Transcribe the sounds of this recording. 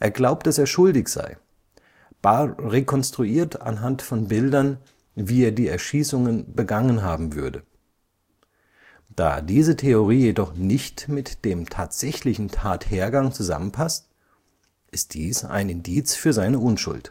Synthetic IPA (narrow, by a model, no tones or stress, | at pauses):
ʔeːɐɡlaʊp̚t̚d̥aseːɐʃʊldɪçz̥a̰ɪ | b̥aʁekʰɔnstʁ̥uiːɐta̰nɦantfɔnbɪldɐn | viːeːɐdiːɛɐʃiːsʊŋənbəɡaŋənɦaːbm̩vʏɐdə | d̥a̰ːdiːzətʰeoʁ̞iːjedɔχnɪçtmɪtd̥eːmtʰaːtz̥ɛçlɪçn̩tʰaːtheːɐɡaŋt͡suza̰mənpʰast | ʔɪst̚d̥iːsa̰ɪnɪndiːt͡sfyːɐzaɪnəʊnʃʊ̰lt